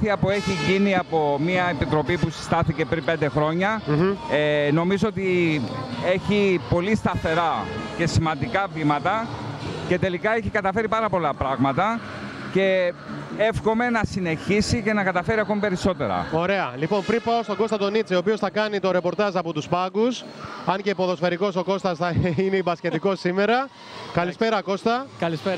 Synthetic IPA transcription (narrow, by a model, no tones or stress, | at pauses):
θiɐpue̞çiʝiniɐpo̞miɐepit̪ɾo̞pipusi̥st̪ɐθice̞pɾimpe̞nd̪e̞xɾo̞ɲɐeno̞mizo̞ot̪i | e̞çipo̞list̪ɐθe̞ɾɐce̞simɐnd̪ikɐvimɐt̪ɐce̞t̪e̞likɐe̞çikɐt̪ɐfe̞ɾipɐɾɐpo̞lɐpɾɐɣmɐt̪ɐ | ce̞ | efxo̞me̞nɐsine̞çisice̞nɐkɐt̪ɐfe̞ɾiɐko̞mipe̞ɾiso̞t̪e̞ɾɐ̰o̞ɾe̞ɐlipo̞npɾipɐo̞st̪o̞ɡo̞st̪ɐt̪o̞nit͡sioːpiosθɐkɐnit̪o̞ɾe̞po̞ɾt̪ɐzɐpot̪uspɐɡus | ɐɲcepo̞ðo̞sfe̞ɾiko̞so̞ko̞st̪ɐsθɐineibɐsce̞t̪iko̞sːime̞ɾɐ | kɐlispe̞ɾɐko̞st̪ɐkɐlis